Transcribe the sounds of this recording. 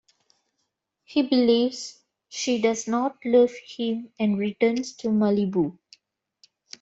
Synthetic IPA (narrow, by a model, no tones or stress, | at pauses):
hiːbɪliːʋz̥ | ʃiːɖʌznɔːʈlʌʋhɪ̃mɛ̃ɳɖɾiʈəːnsʈʰumalibu